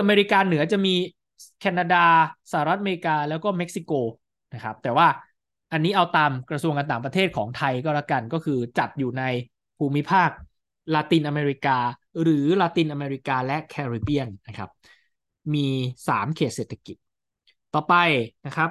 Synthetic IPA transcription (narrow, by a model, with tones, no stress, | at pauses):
ʔa˧meː˧ɾi˦˥kaː˧nɯ˨˩˦ɐt͡ɕa˨˩ʔmiː˧ | kʰɛː˧na˧daː˧sa˧ha˨ɾa˦˥a˧me˧ɾi˧˥kaː˧lɛː˦˥wkɔː˥˩me˦˥k̚si˧koː˧ | na˦˥kʰɾa˦˥p̚t̪ɛː˨˩waː˥˩ | ʔa˧nːiː˦˥ʔa˧wt̪aː˧mkɾa˧su˧əŋka˧nt̪aː˨˩ŋp̬ɾt̪ʰeː˥˩t̪̚kʰɔː˩˦ŋt̪ʰa˧jkɔː˥˩laː˥˩ka˧nkɔː˥˩kʰɯː˧t͡ɕa˨˩t̪̚juː˨˩na˧j | pʰuː˧mːi˦˥pʰaː˥˩k̚ | laː˧t̪iː˧nʔa˧meː˧ɾi˦˥kaː˧ɾɯː˩˦laː˧t̪iː˧nʔa˧meː˧ɾi˦˥kaː˧lɛ˦˥ʔkʰɛː˧ɾiː˧˩bi˥˩ənːa˦˥kʰɾa̰˦˥p̚ | miː˧sa̰ː˩˦mkʰeː˨˩t̪̚seː˨˩t̪ʰa˧ki˨˩t̪̚ | t̪ːɔː˨˩pa˧jna˦˥kʰɾa˦˥p̚